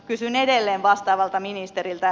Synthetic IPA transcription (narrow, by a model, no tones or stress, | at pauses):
kysynedelːeːʋʋɑst̪ɑːʋɑlt̪ɑminist̪eɾilt̪æ